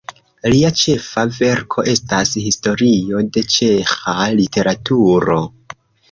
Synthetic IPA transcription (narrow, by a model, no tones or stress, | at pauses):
liat͡ʃe̞fave̞ɾkʰo̞ʔe̞stashisto̞ɾio̞de̞t͡ʃe̞xalite̞ɾatuɾo̞